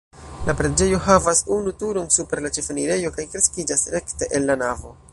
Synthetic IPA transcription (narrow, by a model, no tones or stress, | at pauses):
lapɾed͡ʒe̞jo̞ɦavasunutuɾonsupe̞ɾlat͡ʃe̞faniɾe̞jo̞kajkɾe̞skid͡ʒasɾe̞kte̞ʔenlanavo̞̰